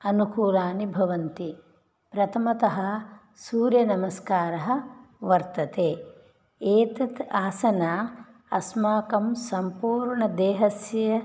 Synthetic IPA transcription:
ɐnukuːlaːnibʱɐʋɐnt̪i | pɾɐt̪ʰɐmɐt̪ɐɦɐ̆ | suːɾjɐnɐmɐskaːɾɐɦɐ̆ʋɐɾt̪ɐt̪eː | eːt̪ɐt̪aːsɐnaː | ɐsmaːkɐmsɐmpuːɾɳɐd̪eːɦɐsjɐ

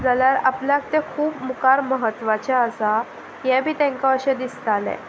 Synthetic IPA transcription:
d͡zaljaɾapljak̚t̪ekʰuːbmukaɾməɦət̪ːʋat͡ɕaəsa | jɛ̃bʱiːt̪ɛ̃ŋkãəɕed̪ist̪alɛ̰̃

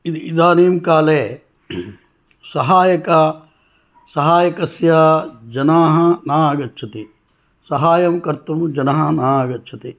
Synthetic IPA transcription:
id̪id̪aːneːmkaːleː | sɐɦaːjɐkɐ | sɐɦaːjɐkɐsjɐd͡ʒɐnaːɦɐnaːɐɡɐtːt͡ʃʰɐt̪i | sɐɦaːjɐmkɐɾt̪umd͡ʒɐnɐɦɐnaːɐɡɐtːt͡ʃʰɐt̪i

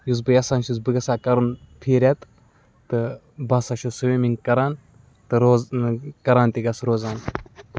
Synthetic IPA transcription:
jus̬bɨjɐsaːnʃuz̬bɨɡɐsaːkɐɾɨnpʰiːɾʲet̪ | t̪ɨ | bɐsaʃosɨwemiŋkɐɾan | t̪ɨɾozkɐɾaːnt̪iɡɐsɾoːzaːn

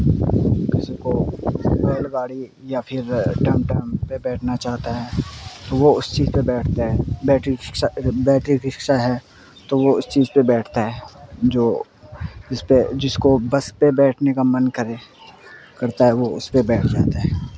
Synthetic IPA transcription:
kɪsikobeːlɡaːɽi | japʰɪɾʈɐ̃mʈəmpebɛːʈʰnat͡ʃaːɦt̪aɦɛːt̪oʋoʊst͡ʃiːzpebɛːʈʰt̪aɦɛbɛːʈɾikʃabɛːʈɾiɾɪkʃaɦɛ | t̪oʋoʊst͡ʃiːzpebɛːʈʰt̪aɦɛːd͡ʒoː | d͡ʒɪsped͡ʒɪskobɐspebɛːʈʰnekamɐnkəɾe | kɐɾt̪aɦɛʋoʊ̰spebɛːʈʰd͡ʒa̰ːt̪aɦɛː

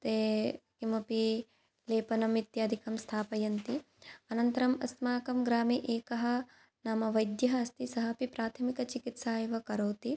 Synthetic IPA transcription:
t̪eːkimɐpi | leːpɐnɐmit̪jaːd̪ʱikɐmst̪ʰaːpɐjɐnt̪i | ɐnɐnt̪ɐɾɐmɐ̰smaːkɐmɡɾaːmiʔeːkɐɦɐ̆ | naːmɐʋɐjd̪jɐɦɐːst̪isɐɦɐpipɾaːt̪ʰɐmikɐt͡ʃikit̪saːjɐʋɐkɐɾoːt̪i

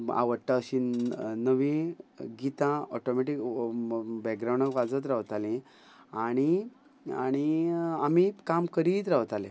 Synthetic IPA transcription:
a̰ʋəʈːaəɕĩnəʋĩɡit̪ãɔʈɔmeʈik | bɛɡ̚ɡɾawɳəkʋad͡zət̪̬ɾaʋt̪alẽ | aɽ̃i | a̰ɽ̃iamikamkəɾiːt̪ɾaʋt̪alẽ

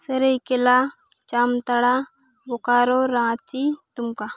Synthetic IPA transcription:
səɾəjkela | t͡ɕamt̪aɽa | bʱokaɾɔɾãt͡sit̪umka

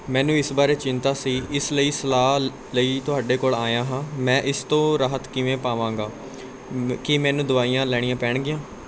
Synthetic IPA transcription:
mɛ̃ːnũːɪsbaːɾeːt͡ʃɪnt̪aːsiːɪsləiːsəlaː | ləiːt̪ʊɦaːɖeːkoːlaːjãːɦãːmɛ̃ːʔɪst̪õːɾaːɦət̪kɪʋẽːpaːʋãːŋ̆ɡaː | kɪmɛ̃ːnũːd̪ʊʋaːiːjãːlɛːɽɪjãːpɛːɳ̃ɡɪjãː

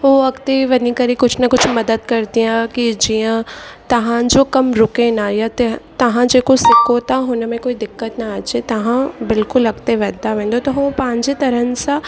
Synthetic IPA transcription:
ʋoɐkt̪eʋɐnikɐɾikʊt͡ʃʰnɐkʊt͡ʃʰmɐd̪əd̪̚kɐɾt̪ijãkid͡ʒijãt̪ɐɦãd͡ʒoːkɐmɾʊkenajat̪et̪ɐɦãd͡ʒeːkosɪkot̪aɦonamẽkoːid̪ɪkːət̪naaːd͡ʒet̪ɐɦãbɪlkʊlɐɡt̪eʋɛːd̪aʋɛ̃ːnd̪ot̪oɦopãːɲd͡ʒet̪ɐɾənsa

